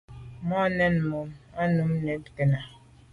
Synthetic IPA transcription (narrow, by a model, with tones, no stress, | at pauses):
mɔ˦nɛ˦n˨mo˨ma˦nu˨˦m˦ne˨˦pte˨na˨